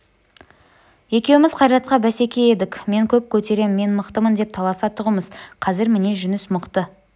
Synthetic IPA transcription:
je̞kʲe̞wɪmɪzqʰɑjɾɑt̪̚qɑbæse̞kʲe̞je̞d̪ɪkʲme̞ŋkʲʰɵp̚kʲʰɵt̪e̞ɾe̞mme̞nməqt̪əmənd̪e̞p̚t̪ʰɑlˠɑsɑt̪ʰʊʁəməzqʰɑzɪɾmɪne̞ʒʏnɪsmʊqt̪ə

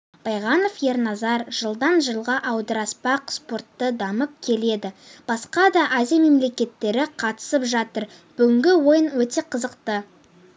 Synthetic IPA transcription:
b̥ɑjʁɑno̞fje̞ɾnɑzɑɾʒ̥əlˠd̪ɑnʒəlˠʁɑʔɑwd̪əɾɑspɑqspo̞rt̪ːəd̪ɑməp̚kʲʰe̞le̞d̪ɪb̥ɑsqɑd̪ɑʔazijame̞mle̞kʲe̞t̪ːe̞ɾɪqʰɑt̪ə̥səpʒɑt̪əɾ | b̥ʏɡʲɪŋɡʲɪwo̞jənwɵt̪e̞qʰəzəqt̪ə

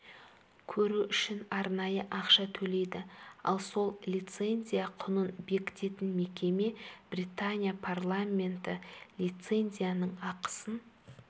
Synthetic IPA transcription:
kʲʰɵɾuʏʃɪnɑɾnɑjəʔɑqʃɑt̪ʰɵle̞jd̪ɪɑ̰lˠso̞lˠlʲijt̪se̞nʲzʲijaqʰʊnənbe̞kʲɪ̥t̪e̞t̪ɪnme̞kʲe̞me̞b̥rijt̪anʲijapʰarlˠamʲːe̞nt̪ɪlʲijt̪se̞nʲzʲijanəɴɑqə̥sən

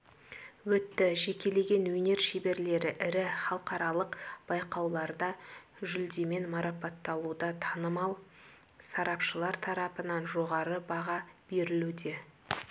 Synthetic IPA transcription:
wɵt̪ːɪʒe̞kʲe̞le̞ɡʲe̞nwɵne̞ɾʃebe̞ɾle̞ɾɪʔɪɾɪχɑlˠqɑɾɑlˠəqb̥ɑjqɑwlˠɑɾd̪ɑ | ʒʏld̪e̞me̞nmɑɾɑpɑt̪ːɑlˠud̪ɑt̪ʰɑnəmɑlˠ | sɑɾɑpʃəlˠɑɾt̪ʰɑɾɑpənɑnʒo̞ʁɑɾəbɑʁɑbe̞ɾɪlud̪e̞

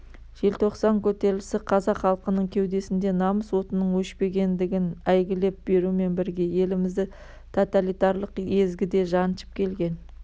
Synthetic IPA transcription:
ʒ̥e̞lt̪ʰo̞qsɑŋkʲʰɵt̪e̞ɾlɪsɪqʰɑzɑqχɑlˠqənəɴkʲʰe̞wd̪e̞sɪnd̪e̞nɑməswo̞t̪ənəɴwɵʃpe̞ɡʲe̞nd̪ɪɡʲɪnæjɡʲɪle̞p̚be̞ɾume̞nbɪɾɡʲe̞je̞lɪmɪzd̪ɪ | t̪ʰot̪alijt̪ɑɾlˠəqe̞zɡʲɪd̪e̞ʒɑnʃə̥p̚kʲʰe̞lɡʲe̞n

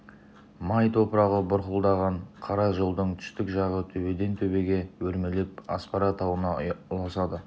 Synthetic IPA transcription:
mɑjt̪ʰo̞pəɾɑʁəbʊɾqəlˠd̪ɑʁɑɴqʰɑɾɑʒəlˠd̪əɴt̪ʰʏ̥st̪ɪkʒɑʁət̪ʰɵbe̞d̪e̞nt̪ʰɵbe̞ɡʲe̞wɵɾmelep̚ɑ̰spɑɾɑt̪ʰɑwənɑʊlˠɑsɑd̪ə

